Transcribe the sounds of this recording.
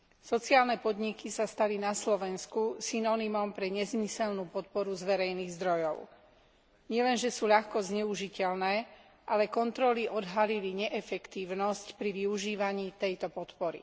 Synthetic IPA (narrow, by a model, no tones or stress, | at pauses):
sɔt͡siaːlnɛpɔd̪ɲikisast̪alinaslɔʋɛnskusinɔnimɔmpɾɛɲɛzmisɛlnuːpɔt̪̚pɔɾuzʋɛɾɛjniːɣzd̪ɾɔjɔʊ | ɲɪɛlɛnʒɛsuːʎaxkɔzɲɛuʒicɛlnɛː | ʔalɛkɔnt̪ɾɔliʔɔd̪ɦaliliɲɛʔɛfɛkt̪iːʊnɔscpɾiʋiuʒiːʋaɲiːt̪ɛjt̪ɔpɔt̪pɔɾḭ